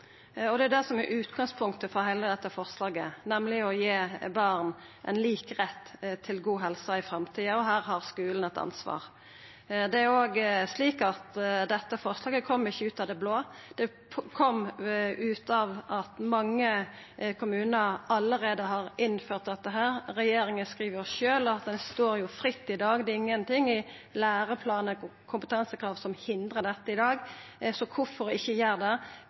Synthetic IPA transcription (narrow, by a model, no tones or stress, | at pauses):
ɔd̪ɛæʊd̪æsɔmæɾʔʉːt̪ɡɑŋspʰʊŋ̚t̪əfɔɾɦæɪləd̪ɛt̪ːəfɔʁslɑːɡənɛmlɪɔjeːbɑɾn | ʔɛ̰ɪnliːkʁɛt̪ːt̪ʰːɪlɡuːɦɛlsɑɪfɾɛmt̪ʰiːəɔɦæːɾɦɑʁskʉːln̩ɛt̪ɑ̰nsʋɑ̰ːʁ | d̪ɛæɾoːɡsliːkɑt̪d̪ɛt̪ːəfɔʁslɑːɡəkʰɔmːɪçːəʉːt̪ɑd̪ɛbloːd̪̥ɛ | kʰɔmːʉːt̪ɑʋɑt̪mɑŋːə | kʰʊmʉːnəɾɑlːəɾeːd̪əɦɑɾɪnføːɾt̪̚d̪ɛt̪ːəɦæːɾɾɛjeːɾɪŋənskʁiːʋəɾʃøːlɑt̪̚d̪ɛnst̪oːɾjʊfɾɪt̪ːɪd̪ɑːɡd̪ɛɪŋːənt̪ʰɪŋːɪ | læːɾəpʰlɑːnəkʰʊmpət̪ʰɑnsəkʰɾɑːʋsɔmhɪnd̪ʁəd̪ɛt̪ːəɪd̪ɑːɡsɔkʰʊfɔɾɪçːəjæːɾd̪ɛ